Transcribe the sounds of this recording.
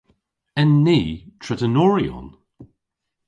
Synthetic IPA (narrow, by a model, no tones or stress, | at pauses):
ɛnːiːtʰɹɛtənɔːɹiɔ̰n